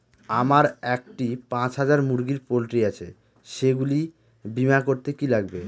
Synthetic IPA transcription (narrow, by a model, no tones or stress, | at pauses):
amaɾɛk̚ʈipãt͡ɕɦad͡ʑaɾmuɾɡiɾpolʈɾiat͡ɕʰe | ʃeɡuli | bimakoɾt̪ekilaɡbe